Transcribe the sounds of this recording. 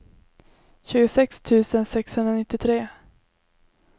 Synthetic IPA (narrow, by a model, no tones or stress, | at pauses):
ɕʉ̟ːɡʊsɛkst̪ʰʉ̟ːsənsɛkshɵnɾanɪt̪ːɪt̪ʰɾeː